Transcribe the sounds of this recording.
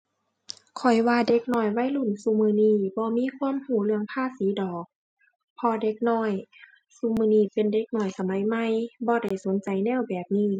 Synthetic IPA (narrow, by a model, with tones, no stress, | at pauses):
kʰɔ˨˩jwaː˧de˧˦˥k̚nɔː˧˩jwa˧˥˨jlu˧˩nsuː˧˦mɯː˧niː˧˩bɔː˧˦miː˧˥˨kʰwuː˧˥ə˨mhuː˧˩lɯ˧əŋpʰaː˧˥˨siː˨˦dɔː˨˩k̚ | pʰɔː˧de˧˦˥k̚nɔː˧˩˨j | suː˧mɯː˧niː˧˩pe˨nde˧˥k̚nɔː˧˩jsa˨˧˦ma˨˦jma˧˩˨jbɔː˧da˧˩jso˨˦nt͡ɕa˨˦jnɛː˧˥˩wbɛː˨˩p̚niː˧˩˨